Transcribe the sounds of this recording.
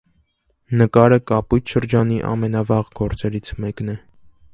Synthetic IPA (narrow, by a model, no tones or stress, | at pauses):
nəkɑɾəkɑpujt̪ʰʃəɾd͡ʒɑniʔɑ̰mɛnɑvɑʁɡɔɾt͡sɛɾit͡sʰmɛknɛ